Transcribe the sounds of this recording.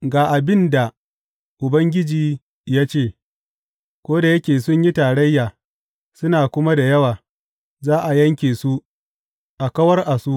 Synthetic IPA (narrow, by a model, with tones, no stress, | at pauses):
ɡaː˨ʔa˨bɪ˦nda˨ | ʔʊ˨bɐ˦ŋɡʲɪ˦d͡ʒiː˨ | jaː˦t͡ʃeː˦˨ | kʷoː˦da˨jɐ˦kʲeː˨sʊ˦ɲji˦taː˨ɽɐ˦jːaː˨ | sʊ˦naː˨kʷʊ˦ma˦da˨jɐ˦waː˨ | zaː˦ʔa˨jɐ˦ŋkʲeː˨su˦ʔ | ʔa˨kɐ˦wɐ˦rʔa˨su˦ʔ